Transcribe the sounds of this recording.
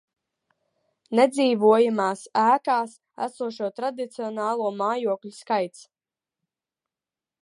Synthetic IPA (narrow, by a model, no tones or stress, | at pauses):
nɛd̪ziːvuɔjamaːsæːkaːs | æ̰suɔʃuɔt̪ɾad̪it̪siɔnaːlˠuɔmaːjuɔklʲuskajt̪s